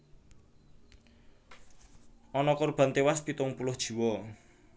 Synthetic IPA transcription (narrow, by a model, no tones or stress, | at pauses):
ɔnɔkʊrb̥ä̤nt̪ewaspit̪ʊŋpulʊhd̥ʒ̥i̤wɔ